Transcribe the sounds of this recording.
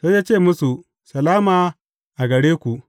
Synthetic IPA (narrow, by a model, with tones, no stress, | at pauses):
soː˦jaː˦t͡ʃeː˦˨mʊ˦su˨ | sɐ˨laː˦maː˨ | ʔa˨ɡɐ˨ɽeː˦kʷu˨ʔ